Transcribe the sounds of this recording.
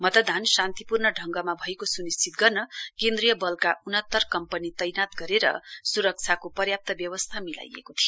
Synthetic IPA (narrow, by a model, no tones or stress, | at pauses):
mʌt̪ʌd̪ʱansant̪ipurnʌɖʱʌŋɡʌmabʱʌekosunist͡sʰit̪ɡʌrnʌkẽnd̪rijʌbʌlkaʔunʌnt̪ːʌrkʌmpʌnit̪ʌjnat̪ɡʌɾeɾʌ̰suɾʌk̚t͡sʰakopʌrjap̚t̪ʌbjʌwʌst̪ʰamila̰jḛkot̪ʰijo